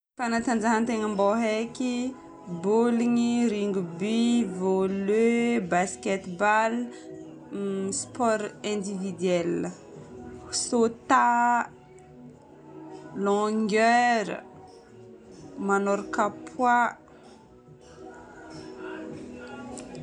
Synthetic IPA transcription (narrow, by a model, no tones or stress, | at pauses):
fanat̪and͡ʒaɦənt̪eŋəmboɦeki | buliŋiɾiŋɡubivoløbaskɛt̪bal | spɔɾɛ̃nd̪ivid̪ɥɛlə | sot̪a | lɔ̃ŋɡœɾə̰ | manɔɾkapʰwa